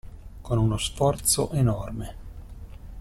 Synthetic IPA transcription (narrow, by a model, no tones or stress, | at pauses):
konunosfɔrt̪so̰ʔenɔrme